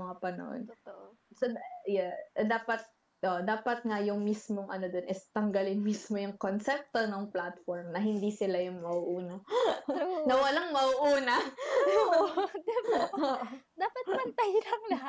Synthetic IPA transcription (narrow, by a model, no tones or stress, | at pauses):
mɐŋapɐnɐ̰ʔo̰n | sojɛd̪aːpɐt̪̚ | ʔoʔd̪aːpɐt̪̚ŋajʊŋmismoŋʔɐ̰no̞d̪onʔɪst̪ɐŋɡɐlɪnmismo̞jʊŋkonsɛp̚t̪onoŋplat̪foɹmnɐɦɪnd̪isɪlajʊŋmɐʔuʔuːnɐ | nɐwɐlaŋmɐʔuʔuːnɐ | d̪ɪpoʔd̪aːpɐt̚pɐnt̪ɐjlɐŋlɐɦa